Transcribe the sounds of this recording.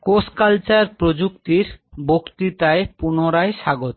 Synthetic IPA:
koskalt͡ɕaɾpɾod͡ʑukt̪iɾbokt̪it̪aepunoɾaeʃaɡot̪

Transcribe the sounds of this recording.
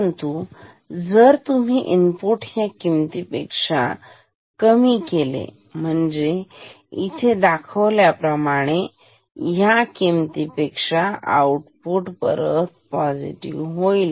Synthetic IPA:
nt̪u | d͡zəɾt̪um̤iʔinpuʈjakimt̪ipekʂa̰ | kəmikelḛ | m̤əɳd͡ze | it̪ʰed̪akʰəʋljapɾəmaɽ̃e | jakimt̪ipekʂaʔa̰uʈpuʈpəɾət̪̚pɔd͡zḭʈiʋɦojl

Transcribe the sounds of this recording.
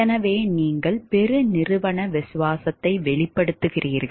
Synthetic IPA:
ɛnɐʋeːniːŋɡɐɭpɛɾɯnɪrɯʋɐɳɐʋɪsʊʋaːsɐt̪ːɐɪʋɛɭɪpːɐɽɯt̪ːɯɣɪriːɾɣɐ

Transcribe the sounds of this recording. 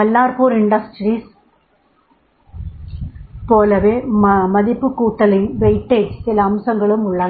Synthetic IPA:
ɐlːaːrpoːɾɪɳɖɐsʈriːs | poːlɐʋeːmɐðɪpːɯkːuːʈːɐlɪmʋɛɪʈ̪ːesɪlɐːmsɐŋɡɐɭɯmʊɭːɐnɐ

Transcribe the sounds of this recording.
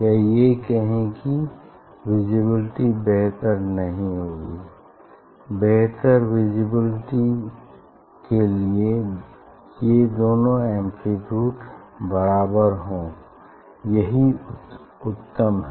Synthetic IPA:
kɛɦijekɛɦẽki | wɪd͡ʒɪbɪlʈibɛɦt̪əɾnɐɦĩɦoːɡiː | bɛɦt̪əɾwɪd͡ʒɪbɪlʈi | kelie | jed̪oːnõɛ̃ːmpʰɾipjuːʈbəɾaːbəɾɦõː | jɐɦi | ʊt̪ːəmɦɛ

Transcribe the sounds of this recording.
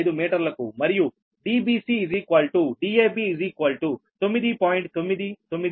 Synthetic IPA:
id̪uːmeːʈəɾlɐkṵːmɐɾijuː | ɖiːbiːsiːzikwaːlʈuːɖiːeːbiɪziːkwaːlʈuːt̪ʊmid̪iːpɔːɪ̃ɳʈ̚t̪ʊmid̪it̪ʊmid̪

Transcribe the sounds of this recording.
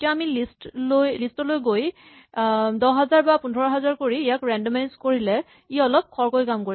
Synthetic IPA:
tijaːmilistlojlistɔlojɡoj | dɔɦazaɹbapundʱɔɹɔɦɛzaɹkoɹiːjakɹɛndmajnskoɹilɛ | iɔlɔp̚kʰɔɹkojkamkoɹi

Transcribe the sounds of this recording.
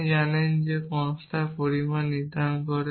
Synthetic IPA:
janɛnd͡ʒekɔ̃ŋstʰapoɹimanːid̪ankɔɾɛ

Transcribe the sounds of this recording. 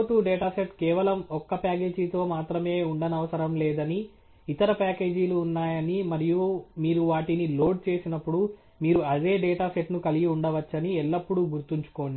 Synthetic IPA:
oʈuːɖɛːʈaːseʈkɛːʋɐlɐmɔkːɐpaːkeːd͡ʒit̪o̞ːmaːt̪ɾɐme̞ːuɳɖɐnɐʋɐsɐɾɐmlɛːd̪ɐni | it̪ɐɾɐpaːke̞ːd͡ʒiluːnːaːjɐnimɐɾijumiːɾuʋaːʈinilo̞ːɖ̚t͡ʃe̞ːsinɐpːuɽu | miːɾuɐd̪e̞ːɖɛːʈaːseʈnukɐliɡiuɳɖɐʋɐt͡ʃːɐniɛlːɐpːuɽuɡuɾt̪iɲt͡ʃu̥ko̞ːni

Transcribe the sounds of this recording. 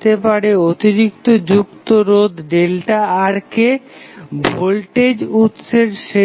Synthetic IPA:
t̪epaɾeot̪iɾik̚t̪od͡ʑukt̪oɾod̪ʱɖelʈaaɾke | bʱolʈed͡ʑut̪ʃeɾʃe

